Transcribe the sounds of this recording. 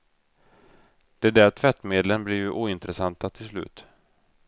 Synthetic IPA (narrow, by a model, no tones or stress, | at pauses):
d̪̥ɛd̪æːʈʰvɛt̪ːmeːd̪lənblɪɾjʔuːɪnt̪ɾəsant̪at̪ʰɪlslʉ̟ːt̪